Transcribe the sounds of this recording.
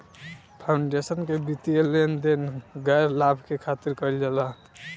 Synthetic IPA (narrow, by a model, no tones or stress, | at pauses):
pʰaʊɳɖesənkebit̪ielend̪enɡəjɾlabʱkekʰat̪iɾkəld͡ʒala